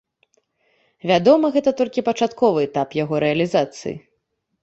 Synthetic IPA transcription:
vʲad̪ɔmɐɣɛt̪ɐt̪ɔlʲkʲipɐt͡ʂat̪kɔvɨɛt̪apjaɣɔɾɛɐlʲizat̪sɨ̰jḭ

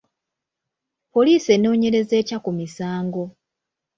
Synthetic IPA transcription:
po̞liːse̞no̞ːɲe̞ɾe̞ze̞ːcakumisaːŋɡo̞

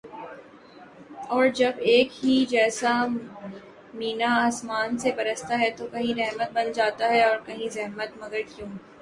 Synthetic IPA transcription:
ɔːɾd͡ʒɐbeːkɦid͡ʒɛːsa | miːnaaːsmaːnsebɐɾəst̪aɦɛt̪okɐɦĩɾɛɦmət̪̚bɐnd͡ʒaːt̪aɦɛɔːɾkɐɦĩzɛɦmət̪mɐɡəɾkjũː

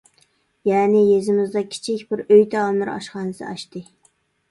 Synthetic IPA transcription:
jæːnɪjezɪmɪzd̪ɑkʲʰɪ̥t͡ʃʰikʲbɪɾøjt̪ʰɛɑmɨɾɑ̰ʃχɑːnɨsɨ̰ɑʃt̪ɨ

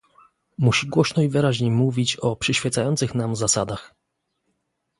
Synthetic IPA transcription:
muɕiɡwɔɕnɔivɘɾaʑɲemuvʲit͡ɕɔpʂɘɕfʲjɛt̪sajɔnt̪sɘxnamzasad̪ax

